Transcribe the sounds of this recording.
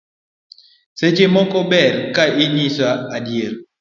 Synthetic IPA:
sed͡ʒemɔkɔbɛɾkaiɲisaadjeɾ

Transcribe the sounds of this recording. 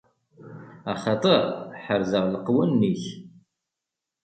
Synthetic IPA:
ɑχɑt̪ˤəʁħəɾzəʁləqwænːiç

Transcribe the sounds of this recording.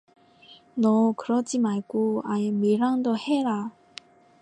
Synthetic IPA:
nɔkɯɾʌd͡ʑimaɭɡoajemiɾaŋd̪oheɾa

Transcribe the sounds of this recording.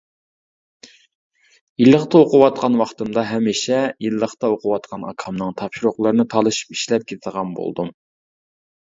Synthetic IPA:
jilˠːəχt̪ɑoqʊwɑt̪̚qʰɑnwɑχt̪ɨmd̪ɑɦɛmiʃɛjilˠːəχt̪ɑoqʰʊwɑt̪qʰɑnɑ̰kʰɑmnɨŋt̪ʰɑpʃuɾoχlˠɨɾɨnɨt̪ʰɑlˠɨʃi̥pi̥ʃlɛp̚kʲʰet̪ʰd̪əʁɑnbo̰lˠd̪um

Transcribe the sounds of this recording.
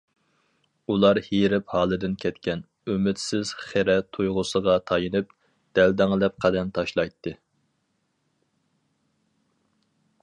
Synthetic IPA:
ulˠɑɾhiɾɪphɑːlˠɨd̪ɪnkʲʰɛt̪kʲɛn | ømɪt̪sɪz̥χeɾɛt̪ʰujʁʊsəʁɑt̪ʰɑjɨnɨp̚ | d̪̥ɛld̪ɛŋlˠɛp̚qʰæd̪ɛnt̪ʰɑʃlˠɑjt̪ʰːɨ

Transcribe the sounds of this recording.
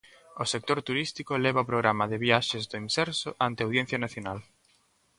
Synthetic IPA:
osek̚t̪oɾt̪uɾist̪ikolɛβ̞aopɾoɣɾamɐðɪβiaʃezd̪oinsɛɾsoʔant̪eawðjen̟θjanaθjonal

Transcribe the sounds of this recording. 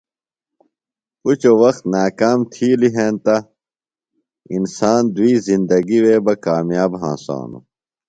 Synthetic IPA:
kut͡ɕowɐxt̪naːkaːmt̪ʰiːliɦẽːnt̪a | insaːnd̪uiːzĩnd̪ɐɡiweːbɐkaːmjaːbɦã̰ːsã̰ːnṵ

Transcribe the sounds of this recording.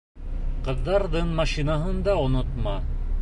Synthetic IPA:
qɤ̆ðːɑɾðɤɴmɑʃinɑɦɤnd̪ɑŏnot̪mɑ

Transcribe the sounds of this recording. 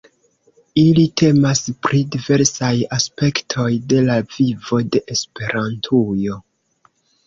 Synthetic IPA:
ilitʰe̞maspɾidive̞ɾsajaspe̞ktʰo̞jde̞lavivo̞de̞ʔespe̞ɾʔantʰujo̞

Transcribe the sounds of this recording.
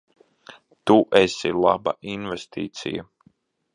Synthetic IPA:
t̪uʔɛsilˠaba̰ʔinvest̪ḭːt̪sḭja

